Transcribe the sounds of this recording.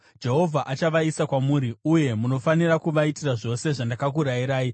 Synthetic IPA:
d͡ʒe̞ɦo̞vʱaʔat͡ʃaʋaisakwamuːɾiuje̞muno̞faniɾakuʋaitiraʐo̞se̞ʐandakak̬uɾaiɾaːi

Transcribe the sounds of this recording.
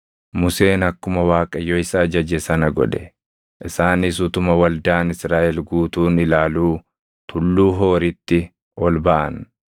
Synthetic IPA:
mʊse̞ːnɐkːʊmɐwaːkʼɐjoɪsaːd͡ʒɐd͡ʒɛsɐnɐɡɔ̰ᶑ̪ɛ̥ | ʔɪsaːnɪs̬ʊt̪ʊmɐwɐld̪aːnɪsɾaːʔɛlɡuːt̪uːnɪlaːluː | t̪ʰʊlːuːɦo̞ːɾɪt̪ːɪ | ʔɔlbɐʔɐ̰n

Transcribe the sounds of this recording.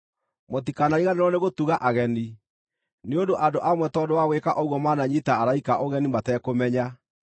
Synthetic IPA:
mot̬ikanaiɣaneɾɔneɣotuɣaʔaɣɛni | neondoʔandoʔamwɛtɔdowaweːkaʔɔɣwɔmaːnaɲitaːɾaikaʔoɣɛnimatɛːkomɛɲa

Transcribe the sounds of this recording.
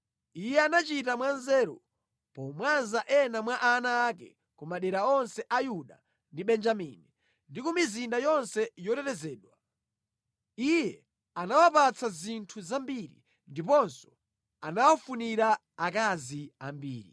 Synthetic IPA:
ijɛanat͡ʃitamwanzɛːɾɔ̰ | pɔmwanzaʔɛnamwaʔanaːkɛ̰ | kumaɗɛɾaɔnsɛʔajuɗa | ndiɓɛnd͡ʒamini | ndikumizindajɔnsɛjɔtɛtɛzɛːɗwa | ijɛ | anawapat͡sazintʰuzambiɾḭ | ndipɔnsɔ̥ | anawɔfuniɾa | akazia̰mbḭːɾi

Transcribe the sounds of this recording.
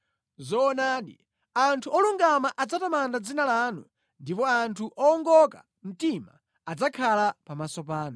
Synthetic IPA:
zɔːnaːɗḭ | antʰuɔluŋɡamaʔad͡zatamandad͡zinalaːnṵ | ndipɔantʰuʔɔːŋɡɔka | m̩tima̰ː | d͡zakʰalapamasɔpaːnu

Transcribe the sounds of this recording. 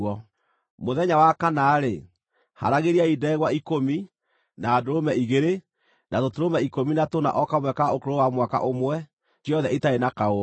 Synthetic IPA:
ɔ | moðɛɲawakanaːɾe | ha̰ɾaɣeɾiaidɛːɣwaikomi | naːdoɾomɛiɣeɾe | natotoɾomɛikominatona̰ʔɔkamwɛkaokoɾowamwaka̰ʔomwɛ | jɔðɛitaenakao

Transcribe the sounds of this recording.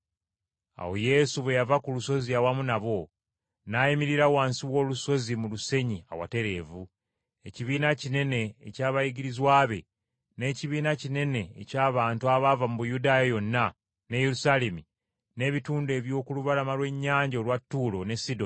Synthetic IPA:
a̰wo̞je̞suβwe̞javakuluso̞ziawamunaβo̞ | najimiɾiɾawaːnsiwo̞ːluso̞zimuluse̞ɲia̰wa̰te̞ɾe̞vu | e̞ciβiːnacine̞ne̞̰ːcaːβajiɡiɾizwaːβe̞ | ne̞ːciβiːnacine̞ne̞̰ːcaːβaːntuaβavamuβujudaːjajo̞nːa | ne̞je̞ɾusale̞mi | ne̞ːβituːnde̞ːβjo̞ːkuluβalamalwe̞ɲːaːɲɟalwatːuːlo̞ne̞sido̞n

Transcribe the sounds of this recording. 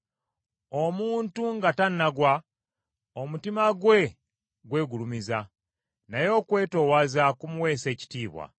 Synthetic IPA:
o̞muːntuŋɡatanːaɡwa | omutimaɡwe̞ | ɡwe̞ːɡulumiza | najo̞ːkwe̞ːto̞wazakumuwe̞ːse̞ːci̥tiːβwa̰

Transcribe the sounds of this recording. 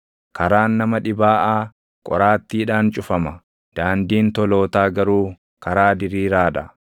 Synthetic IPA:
kɐɾaːnːɐmɐᶑɪbaːʔaː | kʼɔ̰ɾaːt̪ːiːᶑaːnt͡ʃʼʊfɐmɐ | d̪̥aːnd̪iːnt̪ɔlo̞ːt̪aːɡɐɾuː | kɐɾaːd̪ɪɾiːɾaːᶑɐ

